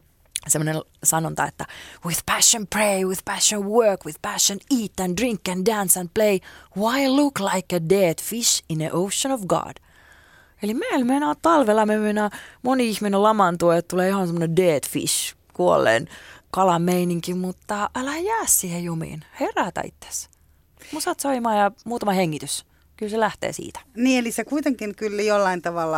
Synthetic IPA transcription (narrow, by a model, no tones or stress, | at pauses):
semːonel | sɑnont̪ɑ̰ḛt̪ːæwið̥pæʃːə̃npɹeɪwið̥pæʃːə̃nwɜːkwið̥pæʃːə̃niːt̪ːæ̃ndɹĩŋkːæ̃ndænsæ̃n̚pleɪwɑjluklɑɪkəded̥fiʃĩnəʔoʊʃːənɔʋɡɑ̰ːd̥ | elimeilmenɑːtt̪ɑlʋelːɑmemenɑmoniihminelɑmɑnt̪uojet̪t̪uleːjohɑnsemːonendeːt̪fḭʃ | kuolːḛːnkɑlɑmmeiniŋkimmut̪ːɑʔælæjæːssiːhejjomḭːnheræt̪æ̰ḭt̪ːe̥s | musɑt̪soimɑːjɑmuːt̪ɑmɑheŋːit̪ys | kylselæht̪ḛːsḭːt̪æ̥niːelisekuit̪eŋkinkylːijolːɑint̪ɑʋɑlːɑ